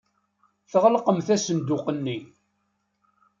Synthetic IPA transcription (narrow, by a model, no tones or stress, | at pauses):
θəʁləqəmθæsənd̪ʊqənːi